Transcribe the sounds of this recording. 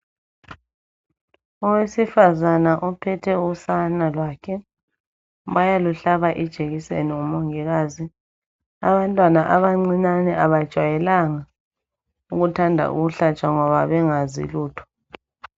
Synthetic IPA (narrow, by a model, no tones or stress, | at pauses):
ɔwesifazanaʔɔpʰɛtʰɛusanalwaːkʰɛ | βajaluɬaβaʔɛd̥ʒ̥ʱeɣisḛniumoŋiɣaːzi | aβantʼwanaʔaβaŋ͡ǀiɲanɛʔaβad̥ʒ̥ʱwajɛlaŋa | uɣutʰandʱa̰ʔṵɣuɬat͡ʃʼaŋɔβa̰βɛŋazḭluːtʰɔ̥